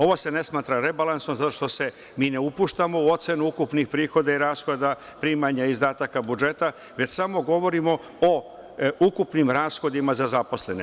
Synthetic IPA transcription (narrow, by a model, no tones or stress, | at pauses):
o̞ʋose̞ne̞smaːt̪ɾaɾe̞balansomzat̪o̞ʂt̪o̞se̞ | miːne̞upuːʃt̪amo̞uo̞t̪se̞nuukupnixpɾiːxo̞d̪aiɾaːsxo̞d̪a | pɾimaɲaizd̪aːt̪akabud͡ʒe̞t̪a | ʋe̞t͡ɕsamo̞ɡo̞ʋo̞ɾimo̞ | o | ukupnimɾaːsxo̞d̪imazazapo̞sle̞ne